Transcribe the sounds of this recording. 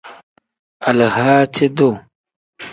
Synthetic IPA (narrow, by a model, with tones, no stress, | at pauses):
a˨lə˨haː˦t͡ʃe˦do˦˨